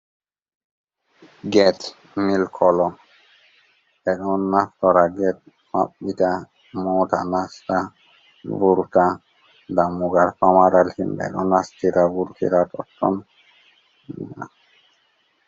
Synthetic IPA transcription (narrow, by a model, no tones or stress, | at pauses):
ɡɛt | milkʰɔlɔm | ɛkɔnːaftɔɾaɡɛt̚ | ma̰p̚bita | mɔta̰nasta | buɾta | damuɡaɾpamaɾalhindɛ̰kɔ̰nastiɾabuɾtʰḭɾatɔtːɔ̰n | ḭa̰